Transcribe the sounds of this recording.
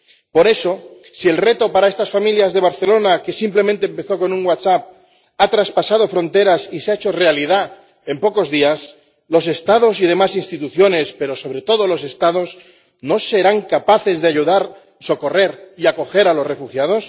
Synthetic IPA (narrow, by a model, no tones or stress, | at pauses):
po̞ɾe̞so̞ | sie̞lre̞t̪o̞paɾae̞st̪asfamiljazðe̞β̞aɾθe̞lo̞nake̞simplemẽnt̪eːmpe̞θo̞ko̞nũŋwasap̚ | at̪ɾaspasað̞o̞fɾo̞nt̪e̞ɾasiseaet͡ʃo̞re̞alið̞a | e̞mpo̞ko̞zðias | lo̞se̞st̪að̞o̞sið̞e̞masinst̪it̪uθjo̞ne̞spe̞ɾo̞so̞β̞ɾe̞t̪o̞ðo̞lo̞se̞st̪að̞o̞z | no̞se̞ɾaŋkapaθe̞zðe̞aʝuðaɾ | so̞ko̞re̞ɾiako̞xe̞ɾalo̞sre̞fuxjað̞o̞s